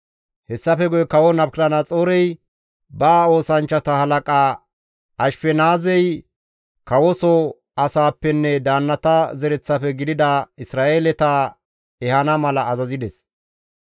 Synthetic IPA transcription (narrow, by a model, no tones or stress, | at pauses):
hɛsːɐfɛɡɔjkɐwɔnɐpkɾɐnɐt͡sʼoːɾɛj | baːo̞ːsɐnt͡ʃːɐt̪ɐhɐlɐkʼaː | ɐʃfɛnaːzɛj | kɐwɔsɔ | ɐsaːpːɛnːɛd̪aːnːɐt̪ɐzɛɾɛt͡sːɐfɛɡɪd̪ɪd̪ɐɪsɾaːʔeːlɛt̪a | ɛhɐnɐmɐlɐːzɐzɪd̪ɛs